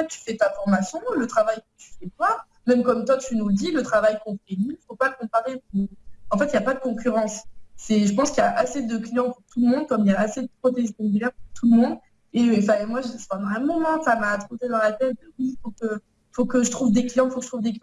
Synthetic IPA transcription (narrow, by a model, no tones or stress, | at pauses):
ɛtt̪y̥fɛt̪afɔʁmasjɔ̃lət̪χavajkət̪y̥fɛt̪wa | mɛmkɔmt̪wat̪ynud̪ilət̪χavajkɔ̃fɛnifopaləkɔ̃paʁepuɑ̃fɛt̪ijapad̪əkɔ̃kʲyʁɑ̃sːɛʒəpɑ̃skʲjaʔased̪əklijɑ̃puʁt̪uləmɔ̃d̪̚kɔmiljaːsed̪əpχɔt̪̬eʒikɔ̃bylɛʁpuʁt̪ʰuləmɔ̃d̪ | efɛ̃mwaʒpɑ̃d̪ɑ̃ɛ̃mɔmɑ̃t̪amaːt̪χut̪ed̪ɑ̃lat̪ɛt̪̚d̪əwifokə | fokəʒət̪χuvd̪eklijɑ̃ifokə̥ʒət̪χuvd̪ek